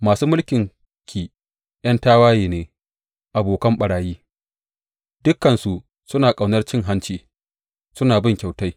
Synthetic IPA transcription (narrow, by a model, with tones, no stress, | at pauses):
maː˨suː˦mʊ˦lkʲɪ˨ŋ | kʲiː˨ | j̰ɐ˦ntaː˦waː˦jiː˨neː˨ | ʔa˨boː˨kɐ˦mɓɐ˨ɽaː˨jiː˦ | d̥ʊ˦kːɐ˨nsu˨ʔ | sʊ˦naː˨kʼa˨wnɐ˦rt͡ʃɪ˦ŋɦa˦nt͡ʃiː˨ | sʊ˦naː˨bɪ˦ŋkʲa˨wta˦j